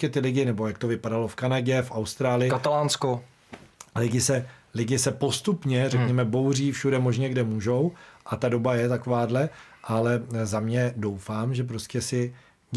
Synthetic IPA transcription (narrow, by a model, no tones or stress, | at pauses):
ɛt̪ɪlɪɟɪnɛbo̞jak̚t̪o̞vɪpadalo̞fkanaɟɛfʔawst̪ɾaːlɪjɪkat̪alaːnsko | lɪɟɪsɛlɪɟɪsɛpo̞st̪upɲɛrɛkɲɛmɛbo̞wr̝iːfʃudɛmo̞ʒɲɛɡdɛmuːʒo̞wʔat̪ado̞bajɛt̪akovaːdlɛʔalɛzamɲɛdo̞wfaːmʒɛp̬ɾoscɛsɪ